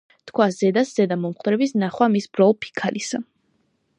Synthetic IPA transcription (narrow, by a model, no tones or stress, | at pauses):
t̪ʰkʰwazɛd̪aszɛd̪amɔmχʼd̪ɾɛbisnaχwamisbɾɔlˠpʰi̥kʰalisa